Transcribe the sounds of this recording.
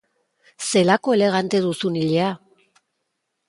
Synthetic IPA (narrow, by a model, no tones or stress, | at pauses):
se̞lako̞e̞le̞ɣ̞ant̪e̞ðusuniʎea